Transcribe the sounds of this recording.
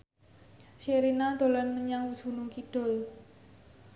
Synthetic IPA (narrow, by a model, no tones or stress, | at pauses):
ʃeɾinad̪̥o̤lanməɲaŋu̥d͡ʒ̥ṳnuŋkiɖ̥ɔ̤l